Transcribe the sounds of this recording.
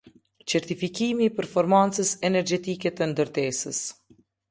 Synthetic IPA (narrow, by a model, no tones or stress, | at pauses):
t͡ʃɛɾt̪ifikimipɛɾfɔɾmant͡səsɛnɛɾd͡ʒɛt̪ikɛt̪ənd̪əɾt̪ɛsəs